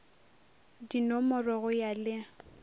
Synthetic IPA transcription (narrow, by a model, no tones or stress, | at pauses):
dinɔmɔrɔɣʊjalɪ